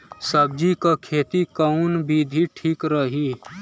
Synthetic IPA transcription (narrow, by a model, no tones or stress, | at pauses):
səb̚d͡ʒikakʰeːt̪ikaunbiːd̪ʱiʈʰiːkɾəɦiː